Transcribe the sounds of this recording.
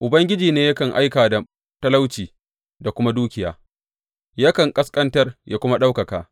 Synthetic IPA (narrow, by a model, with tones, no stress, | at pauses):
ʔʊ˨bɐ˦ŋɡʲɪ˦d͡ʒiː˨neː˦jɐ˦kɐ˨ŋʔa˦jkaː˨da˨ | tɐ˦la˦wt͡ʃiː˨ | da˨kʷʊ˦ma˦duː˦kʲɪ˨jaː˨ | ja˦kɐ˨ŋkʼɐ˦skʼɐ˦ntɐ˦rja˦kʷʊ˦ma˦ɗa˦wkɐ˨kaː˦ʔ